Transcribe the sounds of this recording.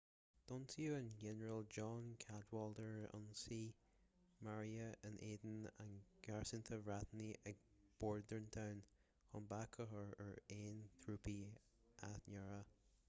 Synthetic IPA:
d̪̥ɔntʰiuənɡɛnəɹəld͡ʒɔnkʰadwɔldəɹɔ̰nsiː | maɹiəənʔeːd̪n̩ə̰nɡ̥aɹsɪnt̪ʰəvɹat̪niʔɛɡ̚ | b̥ɔɹdəɹnt̪ʰawn | hɔnbakʰəɦəɹəɹeːnθʰɹuːpi | ʔatnɛɹə

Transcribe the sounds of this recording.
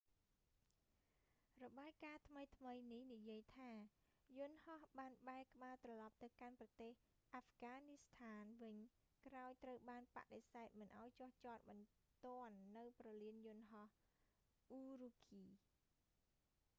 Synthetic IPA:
rɔɓaːjkaːt̪ʰməjt̪ʰməjnihnijiəjt̪ʰaː | jʊ̆nhɑhɓaːnɓaɛkə̆ɓaːt̪rɑlɑp̚t̪ɨwkanprɑt̪eːh | ʔaːfɡaːnist̪ʰaːnʋɨɲ | kraɔjt̪rəwɓaːnpa̰ʔɗesaɛt̪̚mɨnʔaɔjt͡ɕŏəht͡ɕoːt̪̚ɓɑnt̪ŏənːɨwprɑliənjʊ̆ənɦɑh | ʔuːrukʰiː

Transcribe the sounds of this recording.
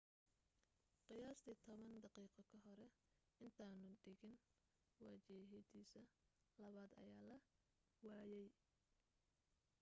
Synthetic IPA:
qɪjaːst̪ʰiːt̪ʰɔβɐnd̪ɑqiːqɔkʰɐɦɔɾɛ | ɪnt̪ʰaːnʊd̪ɛɣɪn | wɑːt͡ʃɪɦɪd̪iːsɐ | lɐβaːd̪ɐ̰jaːlɐ | waːjɛj

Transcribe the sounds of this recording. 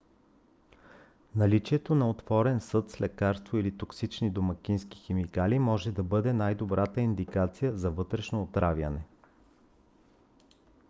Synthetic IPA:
nɐlit͡ʃiɛt̪onɐot̪vɔɾɛnsɤt̪slɛkaɾst̪voilit̪oksit͡ʃnid̪omɐkʲinski̥xɛmikalimɔʒɛd̪ɐbɤd̪ɛnajd̪obɾʔat̪əind̪ikat̪sijəzɐvɤt̪ɾɛʃnoːt̪ɾavʲjə̰nɛ

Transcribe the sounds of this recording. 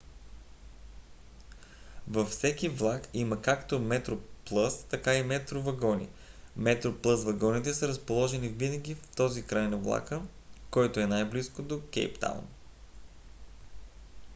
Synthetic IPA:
vɐfsɛkʲivlˠakiməkakt̪omɛt̪ɾoplˠɤst̪ɐkaimɛt̪ɾovɐɡɔnḭmɛt̪ɾoplˠɤsvɐɡɔnit̪ɛsəɾəspolˠɔʒɛnivinəɡʲift̪ɔzikɾajnɐvlˠa̰kə | kɔjt̪oɛnajbliskod̪okɛ̰jpt̪a̰w̰n

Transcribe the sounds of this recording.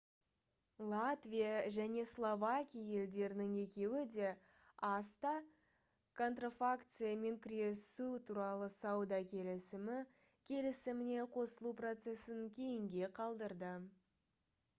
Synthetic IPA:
lˠat̪vʲijaʒæne̞slˠo̞vakʲijaje̞ld̪e̞ɾɪnɪŋe̞kʲe̞wɪd̪e̞ | ɑst̪ɑ | kʰo̞nt̪rofakt̪sɨjame̞ŋkʲʰʏɾe̞sut̪ʰuɾɑlˠəsɑwd̪ɑkʲʰe̞lɪsɪmɪ | kʲʰe̞lɪsɪmɪne̞qʰo̞səlˠupro̞t̪se̞sɪŋkʲʰe̞jɪŋɡʲe̞qʰɑlˠd̪əɾd̪ə

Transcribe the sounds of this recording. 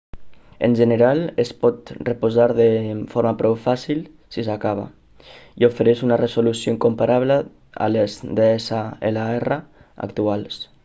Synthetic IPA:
ḛnʲʒeneɾalespɔt̪repuzaɾðefoɾmapɾɔwfasil | sisakaβa̰ | iofeɾeʃunaresolusjoiŋkompaɾaβ̞lə | a̰lezd̪eesaelaɛra | a̰kt̪uals

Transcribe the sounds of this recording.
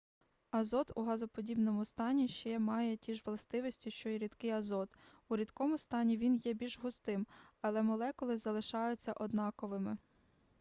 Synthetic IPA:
ɐzɔt̪uɦɑzɔpɔdʲibnɔmʊst̪ɑnʲiʃt͡ʃɛmɑjɛtʲiʒʋlˠɐst̪ɪʋɔsʲtʲiʃt͡ʃɔiɾʲid̪kɪjɐzɔt̪ | uɾʲid̪kɔmʊst̪ɑnʲiʋʲinjɛbʲilʲʒɦʊst̪ɪmɐlˠɛmɔlˠɛkɔlˠɪzɐlˠɪʃɑjʊt͡sʲːɐʔɔd̪nɑkɔʋɪmɪ

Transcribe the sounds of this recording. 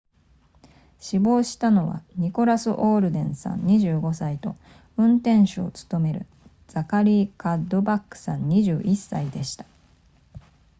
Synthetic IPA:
ɕibo̞ːɕi̥t̪ano̞βa̰ɲ̟iko̞ɾasɨʔo̞ːɾɯ̟d̪ẽ̞ɰ̃sã̰ɲ̟ɲːiʑɨːɡo̞sait̪o̞ | ɯ̟̃nt̪ẽ̞ɰ̃ɕoːt͡sɨ̥t̪o̞me̞ɾɯ̟̰ | d͡z̥akaɾʲiːkad̪o̞bakːɯ̟̥sãɲ̟ːiʑɨːʔisːaid̪e̞ɕi̥t̪ḁ

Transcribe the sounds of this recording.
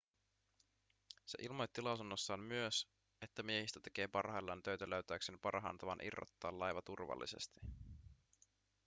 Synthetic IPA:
se̞ʔilmo̞jt̪ːilɑwsunːosːɑːmmyøs | e̞t̪ːæmie̞hist̪æt̪e̞ke̞ːpɑrhɑjlːɑnt̪øɥt̪æløyɥt̪æyksenpɑrɦɑ̰ːnt̪ɑʋɑnʔḭrːo̰t̪ːɑːlːɑjʋɑt̪urʋɑ̰lːḭse̞̰st̪i̥

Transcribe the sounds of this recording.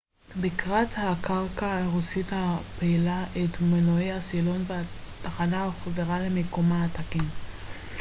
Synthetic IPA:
bikʁathakaʁkaʁusithapeilaʔetmenoejasilo̞nveataχanaaχozeʁalemekomaːtakim

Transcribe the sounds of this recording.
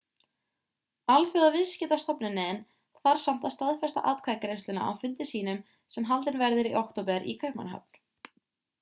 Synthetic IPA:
alfjʏɣðavɪðscɪt̪ast̪apnɪnɛn | θaɾ̥sam̥t̪ast̪aðfɛst̪a̰ʔaːt̪̚kʰvaːjkɾejst̪ɪna̰ʔa̰wfʏnt̪ɪsiːnʏm | sɛmɦalt̪ɪnvɛɾðɪɾiʔowkt̪op̬ɛɾʔḭkʰœɥhma̰nɦa̰pl̥

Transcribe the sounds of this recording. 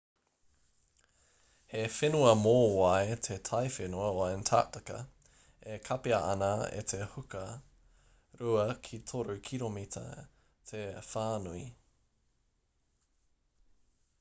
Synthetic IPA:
hefenuɐmoːwɐetʰetʰɐjfenuɐoɐentʰa̰ːtɐkɐ̰ | ekʰɐpeɐʔɐnaḛtʰehukɐ | ɾuɐkʰitʰoɾukʰiɾomitʰɐ̰ | tʰefaːnui

